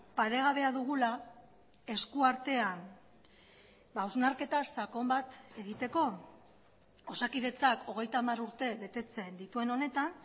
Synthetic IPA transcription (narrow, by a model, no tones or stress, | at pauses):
paɾe̞ɣ̞aβe̞aðuɣ̞ula | e̞skuaɾt̪e̞an | bauwznaɾke̞t̪asako̞mbat̪e̞ɣ̞it̪e̞ko̞ | osakiðe̞t͡sako̞ɣ̞e̞jt̪aːmaɾuɾt̪e̞βe̞t̪e̞t͡se̞nd̪it̪ue̞no̞ne̞t̪an